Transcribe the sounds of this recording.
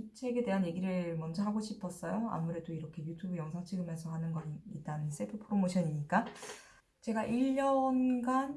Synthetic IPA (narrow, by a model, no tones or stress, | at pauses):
ut͡ɕʰe̞ɡe̞de̞ɦanje̞ɡiɾɯmʌnd͡ʑʌɦaɡoɕʰipʰʌs͈ʌjoa̰muɾe̞doiɾʌkʰe̞jutʰubɯjʌŋsʰaŋt͡ɕʰiɡɯme̞sʰʌɦhanɯnɡʌit̚t͈anɯns͈ʰepʰɯpʰɯɾomoɕʰʌɲiɲik͈a | t͡ɕe̞ɡaʔiʎːʌnɡan